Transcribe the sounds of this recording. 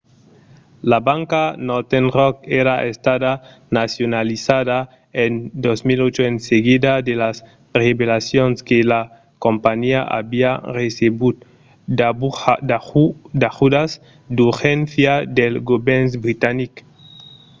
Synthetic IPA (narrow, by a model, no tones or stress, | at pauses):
laβaŋkanoɾt̪enrokeɾaʔest̪aða | nasjonalisaða | end̪ozmilot͡ʃoenseɣiðad̪elas | reβelasjonskela | kompaɲiaʔa̰βiareseβu | dad̪ad̪axud̪as | d̪uɾxenθjad̪elɡobensbɾit̪anik